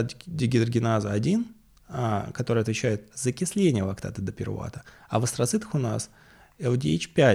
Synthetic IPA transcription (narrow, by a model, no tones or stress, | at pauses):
dʲɪɡʲɪd̪ərɡʲɪnazəɐdʲin | akɐt̪o̞ɾɨjɐt̪vʲɪt͡ɕæjɪt̪̚z̥əkʲɪsʲlʲenʲɪjəvˠɐkt̪a̰t̪əd̪əpʲɪ̰rva̰t̪əɐvəst̪ɾɐt̪sɨt̪əxʊnas | ɛlˠdʲḛt͡ɕpʲæ